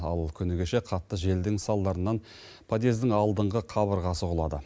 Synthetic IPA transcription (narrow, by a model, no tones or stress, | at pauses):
ɑlˠkʲʰʏneɡʲeʃe̞qʰɑt̪ːəʒe̞ld̪ɪŋsɑlˠd̪ɑɾənːɑn | pʰad̪e̞zd̪ɪŋɑlˠd̪əɴʁəqʰɑβəɾʁɑsəqʊlˠɑ̰d̪ə̰